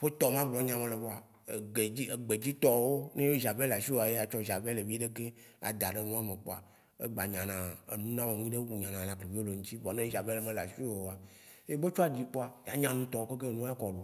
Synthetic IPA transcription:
ɸe˦t̪ɔ˦mã˦blɔ˦ɲã˦mẽ˨le˨vɔ˦a˨ | e˨ɡ͡be˨i˦e˨ɡ͡be˨d͡ʑi˦t̪ɔ˦wo˦ne˦we˦i˦za˨be˦la˨ʃi˦o˦˨a˨je˦a˨t͡ʃɔ˦ʒa˨ve˦le˨vi˦ɖe˦ke˦ | a̰˨d̪a˨ɖe˦nũ˦a˦me˨k͡po̰˦a̰˨ | ḛ˦ɡ͡ba˨ɲã˨nã˨ḛ˨nũ˦nã˦wo˨nũ˦ĩ˦ɖe˦wu˨ɲã˨nã˨nã˨kle˨vi˦o˦le˨ŋũ˦t͡ɕi˦bɔ˨nẽ˦i˦za˨be˦le˨˦mẽ˦la˨ʃi˦o˨o˨a˨˦ | e˦be˦t͡ʃɔ˦a˨d͡ʑi˦k͡po˦a˨ja˨ɲã˦nũ˦t̪ɔ˨wo˦ke˦ke˦˨nũ˦a˦kɔ˨lo˨

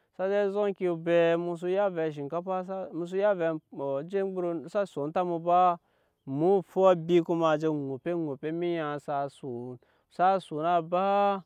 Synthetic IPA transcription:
sa˦d͡ʒe˦zo˦ŋki˧˨be˧mu˧s̬u˧ja˦ve˧˨ʃ̬i˨ŋka˦pa˦sa˦mu˧s̬u˦ja˦ve˨d͡ʒe˦ɡ͡bu˦ɾo˧sa˦su˨˦nta˦mu˧ba˦ | mu˦fu˦bi˦ku˦ma˧˨d͡ʒe˧ŋu˨pe˦ŋu˨pe˦mi˦ja˨sa˧su˨n | sa˦su˨na˦˧ba˦

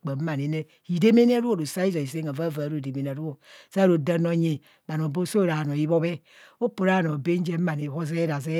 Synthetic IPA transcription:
k͡pa˨m̩˦ma˨ne˨ne˦ | hi˨de˦me˦n˦a˦ɾu˦o˦˨ɾo˨sa˦i˦zo˨i˨se˦ŋa˨va˦˨va˨ɾo˦˨de˨me˨n˨a˨ɾu˦o˨sa˦ɾo˨da˨no˨ɲe˨ | ba˨no˨bo˦so˦˨ɾa˨no˨i˦bo˦be˦ | o˦po˨ɾa˦˨no˨be˦n˦d͡ʒe˦a˨ne˨ho˦ze˦ɾa˨ze˦

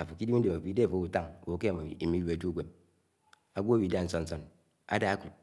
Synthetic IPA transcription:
a˨fo˨ki˦di˦m̩˦de˨m˨a˨bi˦de˦a˨fo˨˦u˨ta˦ŋ˨wo˨˦ke˦ja˨ma˨wḭ˨i˨mi˦u˦a˦d͡ʒu˦ɡʷe˨m̚ | a˨ɡʷo˦a˦wi˨˦da˦˨n̩˦so˦n̩˦o˦n | a̰˦da˦a˦ku˨t̚

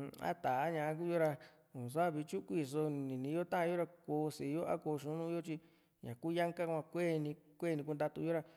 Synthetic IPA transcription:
a̰˦t̪a˨a˦ɲã˧ã˦k̬u˦˧jo˦ɾa˧ | u˨s̬a˦˨βi˧t͡ʃu˦kʷi˦˧˨s̬o˧nĩ˨nĩ˧˦jo˦t̪ã˦ʔã˧jo˦ɾa˧koː˧si˨˧jo˦ʔa̰˦ko˧ʃũ˧˦nũ˦jo˦t͡ʃi˧ | ɲã̰˨ku˦ja˦ŋka˦kʷã˧kʷeː˦˨˧nĩ˧kʷe˦˧nĩ˧k̬u˧nd̪a˧t̪u˧jo˦ɾa˧

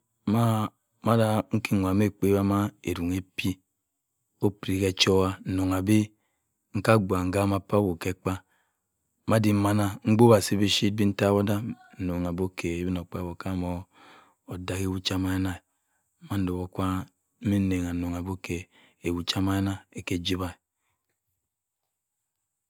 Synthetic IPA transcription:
ma˦ | ma˦da˦ŋ̩˦ki˦ŋʷ˨a˨me˦˨k͡pe˦ba˦ma˦e˨ɾu˨ŋe˦pi˦ | o˦pɾi˨ke˦t͡ʃo˦wa˦n̩˨no˨ŋa˨bi˦ | ŋ̩˦ka˦ɡʷa˨ŋ̩˨ɡa˦ma˦pa˦wo˨ke˦k͡pa˦ | ma˦di˦ma˦na˦ŋ͡m̩˦ɡ͡bo˦ba˨si˦be˦ʃi˦t̚bi˦n̩˦ta˦wo˦da˦˨ | no˨ŋ˨a˨bo˦ke˨e˨˦bi˦no˨k͡pa˦wo˨ka˦mo˦ | o˨da˨ke˦wu˦t͡ʃa˦ma˦jna˦˨˦ | ma˦n̩˦do˨bo˨kʷa˦ | me˦ne˨ŋ˨a˨no˨ŋa˨bo˦ke˨ | e˨wu˨t͡ʃa˦ma˦jna˦e˨ke˦d͡ʒi˦βa˦˨

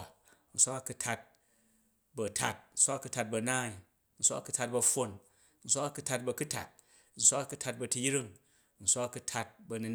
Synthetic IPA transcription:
n̩˨sʷa˦kɐ˧ku˧tʰa˧t̚ | bɐ˨tʰa˨t̚n̩˨sʷa˦ɐ˧ku˧ta˧t̚bɐ˨naː˦i˨˦ | n̩˨sʷa˦ɐ˦˨ku˧tʰa˧t̚bɐ˧ɸo˧n | n̩˨sʷa˦kɐ˦˧ku˦tʰa˧t̚bɐ˧ku˦tʰa̰˨t̚ | n̩˨sʷa˦kɐ˧ku˧tʰa˧t̚bɐ˧tu˧jɾi˦ŋ˦ | n̩˨sʷa˦kku˧tʰa˧t̚bɐ˧ni˧

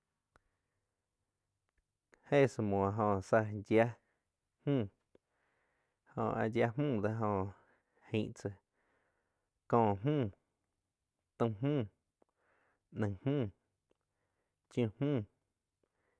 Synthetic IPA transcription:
he˦˨sə˧mõ˨ɦõ˧sa˧d͡ʒja˦ | hmũː˦˨ | hõ̰˧˨a̰˧d͡ʒja˧mũː˦˨d̪a˧˦ɦõ˧ | hẽ˧˨ʔt͡sə˧˨ | kɔ̃ː˧˨ɦũː˦˨ | t̪ə̃˧ɦmũː˦˨ | nə̃˧˨ŋhmũː˦˨ | t͡ʃjũ˧˨hmũː˦˨

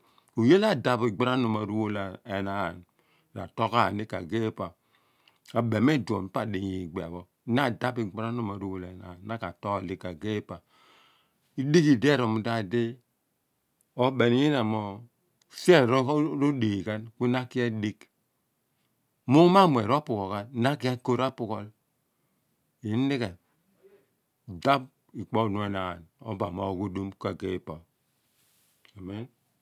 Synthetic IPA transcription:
u˨je˦la˦˨da˨bi˨ɡ͡ba˦ɾa˦no˨ma˨ɾu˦wo˦la˨e˨na̰˨n˨ | ɾa̰˨to˦ka˦˨ni˦ka˨ɡe˦pa˨ | a˨be˨m˦e˦˨du˨o̰˨m˨˦pa˦˨di˨ji˨ɡ͡be˨a̰˨bɔ˦na˦˨da˦pi˨ɡ͡ba˦ɾa˦no˨ma˨ɾu˦wo˨la˨na̰˨˦na˦ka̰˨to˦ka˨li˦ka˨ɡe˦pa˨ | i˦di˦ki˨dɾo˨mu˨da˦˨de˦ | o˦be˨ni˦ji˦na˨mo˨ | se˦˨ɾɾo˦de˨ka˦nku˦na˦ki˦a˦di˦k | mu˦ma˦˨mʷ˨e˨ɾo˦pu˨ko˨ka˨nna˦ki˦a˦ko˦ɾa˦pu˨kɔ˦l | i˨˦n̩˦di˦ka˨ | da˦b̚ | i˨k͡pɔ˦˨nu˨e˦na̰˨no̰˦ba˨mo˨ɡu˦du˦mka˨ɡe˦pa˨ | a˨me˦n

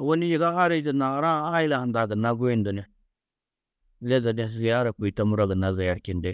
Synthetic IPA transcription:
wo˦ni˦ji˨ɡa˦ha˦ɾe˦di˨na˨˦ɾa˦a˦ji˦la˨ha˨nda˨ɡə˨na˦ɡu˦ji˦ndu˨ne˦ | le˦za˨de˦s̬za˦ɾa˨k͡pu˨i˨ta˦mu˦ɾa˦ɡə˨na˨za˨ja˨ɾki˨nde˦

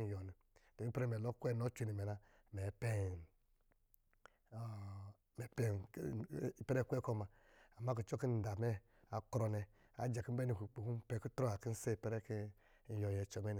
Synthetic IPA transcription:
jɔ˨ni˨ | d̥o˨mi˦pɾɛ˦˨mɛ˨lo˦kʷɛ˦˨no˦t͡ʃʷi˨ni˨mɛ˨na˨ | mɛ˨pɛ˦˨n˨ | mɛ˨pɛ˦˨ | pɛ˦ɾɛ˦kʷɛ˦kɔ˦˨ma˨ | a˨ma˦k̬i˨t͡ʃɔ˦ki˦˨da˨mɛ˦ | a˨kɾɔ˨nɛ˨ | a̰˨d͡ʒa˨ki˦m̩˦bɛ˦ni˨ku˨k͡pu˨ku˦pɛ˨ku˦tɾo˦a˨ki˦n̩˦se˦˨pɛ˦ɾɛ˦ki˦ | n̩˨jɔ˨jɛ˨t͡ʃɔ˨mɛ˦n˨

